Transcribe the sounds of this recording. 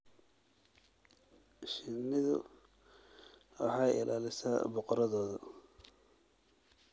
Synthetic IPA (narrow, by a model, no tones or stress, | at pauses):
ʃɪnːɪðʊ̰ | wɑ̰ħɑːjɪ̰lʔaːlɪsa̰ːbɔqɔɾɐðɔːðɐ